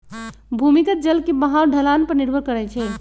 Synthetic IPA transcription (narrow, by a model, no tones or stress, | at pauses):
bʱumikət̪̚d͡ʒəlkebəɦawɖʱəlanpəɾniɾbʱəkəɾɛt͡ʃʰɛ